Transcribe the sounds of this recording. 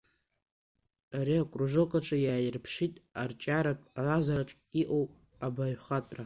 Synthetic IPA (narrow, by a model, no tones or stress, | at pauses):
aɾiakʷʼruʐokʷʼaʈ͡ʂʼajaːjɪrpʰʂitʼart͡ʃʼaɾapʷʼalazaɾaʈ͡ʂʼiʔowpʼ | abaɥχatʼra